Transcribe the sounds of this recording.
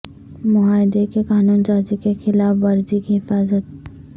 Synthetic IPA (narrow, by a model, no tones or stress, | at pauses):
mʊɦaːɪd̪ekekaːnuːnd͡ʒaːd͡ʒikexɪlaːfʋɐɾd͡ʒikiɦɪfaːzət̪̚